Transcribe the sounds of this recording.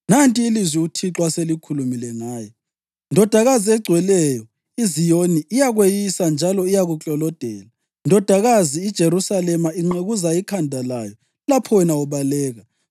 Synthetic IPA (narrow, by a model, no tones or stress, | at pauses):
nantʼiːlizwiutʰiǁwaselikʰulumilɛŋaːjɔ | ndʱɔd̥ʱaɣaziɛɡ͡ǀʱwɛlɛjɔ | izijoniːjaɣwejisand͡ʒʱalɔijaɣut͡ɬʼɔlɔd̥ʱɛ̰ːla | ndʱɔd̥ʱaɣaziːd̥ʒ̥ʱeɾusalɛmaiŋ͡ǁeɣuzaikʰandʱalajɔ | lapʰɔwɛnauβalɛːɣa